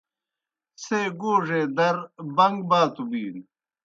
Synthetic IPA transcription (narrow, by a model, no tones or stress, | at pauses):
seːɡoːʐeːd̪ɐɾbɐŋɡbaːt̪ubiːn